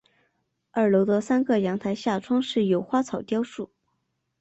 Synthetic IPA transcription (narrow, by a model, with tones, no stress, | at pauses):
ə˞˨˩lo˧˥ʊt̪ə˧sa˥nɡɤ˥˧jɑ˧˥ŋt̪ʰa˧˥ɪɕja˥˩ʈ͡ʂʰwɑ˥ŋʂɻ̩˥˩jo˨˩˥ʊxwa˥t͡sʰɑ˨˩ʊt̪jɑ˥ʊʂu˥˩